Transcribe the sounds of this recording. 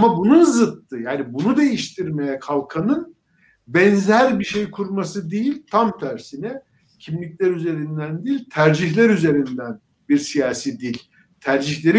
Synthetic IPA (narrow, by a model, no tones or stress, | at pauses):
mabununzɯt̪ːɯjaːnibunud̪e̞jiʃt̪ʰiɾme̞jɛkʰalˠkʰanɯn | bɛnzæɾbiʃejkʰuɾmasɯd̪ejilʲt̪ʰamt̪ʰæɾsinɛ | cʰimlʲiclʲæɾyze̞ɾind̪ænd̪ilʲt̪ʰæɾd͡ʒiçlʲæɾyze̞ɾind̪æn | biɾsijaːsiːd̪ilʲ | t̪ʰæɾd͡ʒiçlʲe̞ɾi